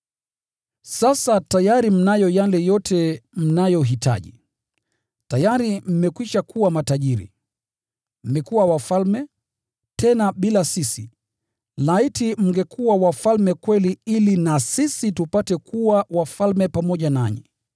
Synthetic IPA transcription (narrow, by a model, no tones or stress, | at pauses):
sasatajaɾim̩najɔjalɛjɔtʰɛm̩najɔɦita̰ʄḭ | tajaɾim̩mɛkwiʃakuwamataʄiɾḭ | m̩mɛkuwawafalmɛ | tʰɛnaɓilasisi | laitim̩ŋɡɛkʰuwawafalmɛkwɛliilinasisitupatɛkuwawafalmɛpamɔʄanaɲḭ